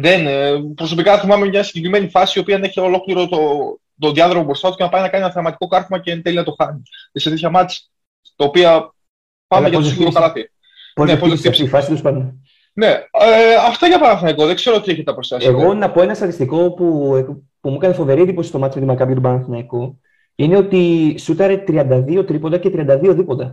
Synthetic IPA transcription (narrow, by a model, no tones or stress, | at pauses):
ðenpɾo̞so̞pikɐθimɐmemɲɐsi̥ɟekɾime̞nifɐsiːo̞piɐneçeolo̞kliɾot̪o | t̪oðiɐðɾomobɾo̞st̪ɐt̪ucenɐpɐninɐkɐninɐθɐɾmɐt̪i̥ko̞kɐɾfmɐcenθelinɐt̪o̞xɐnieset̪et̪çɐmɐt͡si̥ | t̪ɐopiɐ | pɐeʝɐosiɣuosk̪ɐlɐθi | pozosiifɐsit̪uspɐne | ne̞ɐft̪ɐʝɐpɐnɐθnɐikoðeɡze̞ɾoot̪ieçet̪eɐpɾosjɐseɣo̞nɐpo̞e̞nɐst̪ɐt̪ist̪iko̞pue | pumuekɐnefo̞ve̞ɾiend̪ipo̞sist̪o̞mɐt̪t͡simet̪imɐkɐpjot̪ubɐnɐθnɐiko | ine̞o̞t̪isut̪ɐɾet̪ɾiɐnd̪ɐðio̞t̪ɾipo̞nd̪ɐcet̪ɾiɐnd̪ɐðio̞ðipond̪ɐ